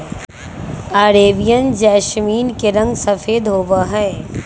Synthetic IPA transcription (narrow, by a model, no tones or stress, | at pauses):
aːɾeːʋijənd͡ʒaːʃmiːnkeɾɐ̃ŋɡsɐfʰeːd̪ɦoːʋaːɦɛ